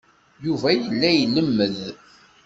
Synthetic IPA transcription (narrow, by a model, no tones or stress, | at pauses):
juvæjəlːæjlːəmːəð